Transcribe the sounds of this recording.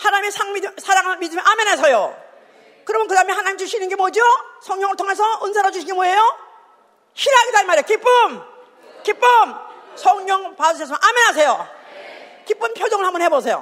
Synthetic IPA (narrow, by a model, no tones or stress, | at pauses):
hanaɲimisʰaŋmisʰaɾjaŋɯnmid͡ʑumiʔamenasʰʌjo | kɯɾʌmʌnkɯdamiɦananimd͡ʑuɕʰinɯnŋɡemod͡ʑiosʰʌŋɲʌŋɯɭtʰoŋesʰʌɯnsʰaɾad͡ʑuɕʰiɡemoejo | ɕʰiɾaɡidaimaɾijokip͈ːum | kip͈ːumsʰʌŋɲʌŋpaʌs̬ʰesmanʔamenas̬ʰejo | kip͈ːumpʰjod͡ʑʌŋɯɭhambʌnhebosʰejo̰